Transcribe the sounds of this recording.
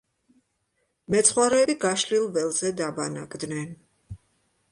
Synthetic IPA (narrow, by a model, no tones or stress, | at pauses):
mɛt̪sʰχwaɾɛːbiɡaʃlilˠvɛlˠzɛd̪abanakʼd̪nɛn